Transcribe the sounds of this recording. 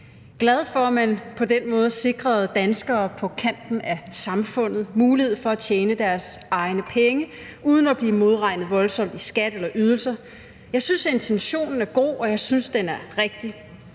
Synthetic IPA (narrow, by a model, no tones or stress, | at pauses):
ɡ̥læð̞ˠfɒmænpʰɒ̽d̥enmɔ̽ːð̞̩ˠse̝ɡ̥ʁɐðˠd̥ænsɡ̥ɐːpʰɒ̽kʰæn̰d̥n̩æsɑ̈mfɔ̽n̰ð̞̩ˠmuːlihe̝ð̞̩̰ˠfɒ̽æt͡ɕʰjeːnəd̥æɐsʔɑ̈ɪnəpʰeŋə | ʔuːð̞ˠn̩æb̥liːmo̝ð̞ˠʁɑ̈ɪ̰nð̩ˠʋɒ̽lsɒ̽m̰d̥isɡ̥æd̥elɐʔyð̞ˠl̩sɐ | jɑ̈ɪsynse̝nt͡sʰenɕo̝̰ːnn̩æɐɡ̥o̝̰ːɒ̽jɑ̈ɪsynsd̥enæɐʁeɡ̥̚d̥i